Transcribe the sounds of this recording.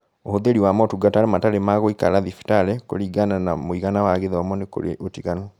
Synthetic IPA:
ohoðeɾiwamɔotuɡataɾemataɾemaɣoika̰ɾaðifi̥taɾɛko̰ɾiɡananamoiɣanawaɣeðewamɔneko̰ɾḛotiɣanɔ

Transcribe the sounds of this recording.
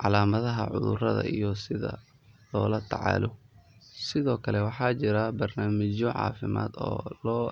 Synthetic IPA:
ʕɑlaːmɐðɐɦɐʕʊ̰ðʊrɐðɐ̰ijɔsɪðɐ̰ | lɔːlɐt̪ʰɑʕɑ̰ːlɔ | sɪðɔːkʰɐlɛwɑħɑːt͡ʃɪɾɐbɐrnaːmɪt͡ʃɔʕɑ̰ːfɪma̰ːd̪ɔːlɔː

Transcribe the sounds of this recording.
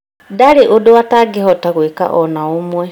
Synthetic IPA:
daliʔuduwataɡihotaɣwika̰ʔonaumwe

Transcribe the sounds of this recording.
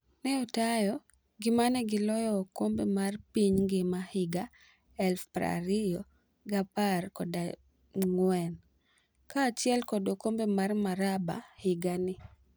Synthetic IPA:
nɛɔtajɔ | ɡɪmanɛɡɪlɔjɔːkombemarpiɲɡɪmahɪɡa | ɛlfpɾa̰ɾɪjɔ | ɡaparkɔda | ŋwɛn | kaːt͡ʃjɛlkɔdokombemarmaɾaba̰hɪɡanɪ

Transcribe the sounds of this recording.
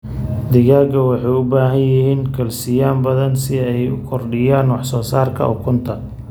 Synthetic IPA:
d̪ɪɣaːɡɐwɑħɑjʊbaːɦɐnjɪhiːŋkʰɐlsɪjaːmbɐðɐnsɪɛjʊkʰɔrɖɪjaːnwɑħsɔːsaːrkʰɐ̰ʔʊ̰kʰʊnt̪ʰɐ

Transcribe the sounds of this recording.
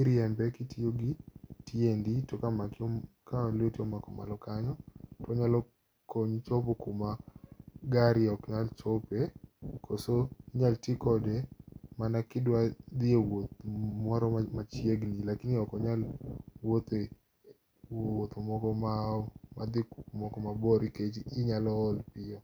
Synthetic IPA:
iɾjɛmbɛkɪtioɡɪtienditokamakɪɔkalɪotiɔmakɔmalɔkaɲɔtɔɲalɔ | koɲt͡ʃɔpokuma | ɡaɾjɔkɲalt͡ʃɔpekʰosoɲaltikɔdɛmanakɪdwad̪ɪewot̪̚mɔɾɔmat͡ʃjeɡnilakɪniɔkɔɲalwot̪e | woot̪omɔkɔmaɔmad̪ɪkumɔkɔmabɔɾiket͡ʃiɪɲalɔːlpɪɔ

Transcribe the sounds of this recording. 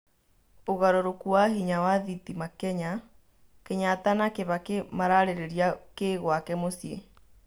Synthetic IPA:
oɣaɾoɾokuaɦiɲawaðitimakɛɲa | keɲatanakeβakemaɾaɾeɾeɾiakeɣwakɛmosjḛ

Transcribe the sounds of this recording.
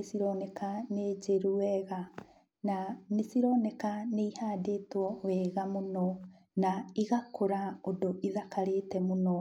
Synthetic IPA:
esiɾɔnɛkaned͡ʒeɾuɛɣa | nanesiɾɔnɛkaneihaːdetwɔwɛɣamonɔ | naiɣakʰoɾaodoʔiðakaɾeːtɛmonɔ

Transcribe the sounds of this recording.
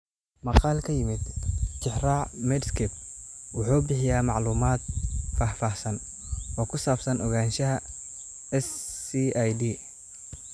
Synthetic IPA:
mɑqɑːlkʰɐjɪmɪd̪t͡ʃɪħraːʕmɛdskʰɛb̚wʊħuːbɪħɪjaːmɑʕluːmaːd̪̚faːhfaːhsɐn | ɔːkʰʊsaːbsɐnɔɣaːnʃɐɦɐ | ɛsijdi

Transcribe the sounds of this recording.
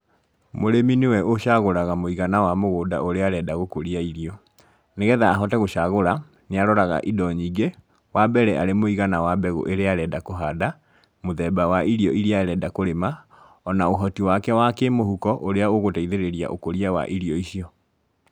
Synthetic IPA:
moɾeminewɛʔoʃaɣoɾaɣamoiɣanawamoɣoːdaoɾeaɾɛdaɣokoɾiaiɾiɔ | neɣɛðaːɦɔtɛɣoɕaɣoɾa | neaɾɔɾaɣa̰ʔidɔɲiːɡe | wabɛɾɛʔaɾemoiɣanawabɛɣo̰ʔeɾeaɾɛdakoɦada | moðɛbawaʔiɾiɔiɾiaɾɛdakoɾema | ɔnaoɦɔtiwakɛwakemohukɔʔoɾeaoɣotaiðeɾeɾia̰ʔo̰koɾiawa̰ʔiɾiɔiʃiɔ

